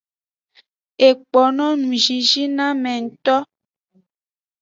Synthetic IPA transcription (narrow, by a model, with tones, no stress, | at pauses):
e˨k͡pɔ˨nɔ̃˦nũ˨ʒi˨ʒi˦nã˦mɛ̃˨ŋ̩˨t̪ɔ˦